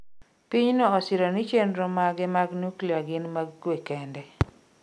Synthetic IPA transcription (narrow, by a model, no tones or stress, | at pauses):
piɲnɔːsɪɾɔnit͡ʃendɾomaɡɪmaɡnukliaɡɪnmaɡkwekɛndɛ